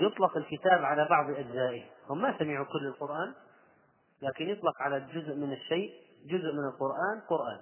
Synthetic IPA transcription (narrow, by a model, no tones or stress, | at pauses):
jɨt̪ˤlɑqɪlkɪt̪aːbʕalabɑʕðˤʔad͡ʒzaːʔɪhhʊmːasamɪʕukʊlːɪlqʊɾʔaːn | laːkɪnjt̪ˤlɑqʕalad͡ʒʊzʔmɪnɪʃːejʔ | d͡ʒʊzʔmɪnɪlqʊɾʔaːnqʊɾʔaːn